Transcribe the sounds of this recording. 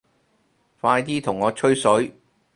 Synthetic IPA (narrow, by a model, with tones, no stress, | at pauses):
faː˧jt̪iː˥t̪ʰʊ˨˩ŋːɔː˨˧t͡ʃʰɵ˥ɥsɵ˨˥ɥ